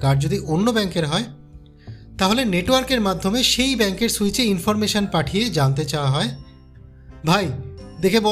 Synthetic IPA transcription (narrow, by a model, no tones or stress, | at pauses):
kaɾ̚d͡ʑod̪iʔonːobɛŋkeɾɦɔe | t̪aɦoleneʈwaɾkeɾmad̪ʱːomeʃejbɛŋkeɾsujt͡ɕeinfoɾmeʃonpaʈʰijed͡ʑant̪et͡ɕawaɦɔe | bʱajd̪ekʰebɔ